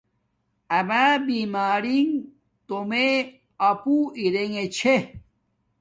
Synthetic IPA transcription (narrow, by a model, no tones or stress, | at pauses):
amabimaːɾiŋ | t̪ome | apuiɾeŋet͡ɕʰe